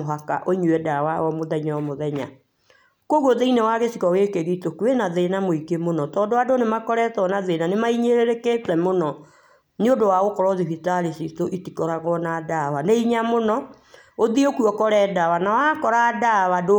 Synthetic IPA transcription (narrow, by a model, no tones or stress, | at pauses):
oɦaka̰ʔoiɲuwɛdawawɔmoðaiɲawɔmoðɛɲa̰ | koɣoðeinewaɣesikɔɣekeɣitokuwenaðenamoikemonɔtɔːndoadonemakɔɾɛtɔnaðenanemaiɲeɾeɾeketwɛmonɔ | neodowaɣokɔɾɔðiβitaɾesitoʔitikɔɾaɣɔnadawaneiɲamonɔ | oðiokuɔkɔɾɛːdawanawakɔɾadawado